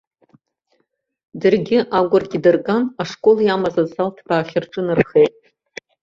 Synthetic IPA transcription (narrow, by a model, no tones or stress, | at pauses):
dɨrɡʲɪʔaɡʷʊrɡʲidɨrkʼanaʂkʼo̞ljamazazaltʰb̥aːχʲɪrʈ͡ʂʼɨnɨrχejtʼ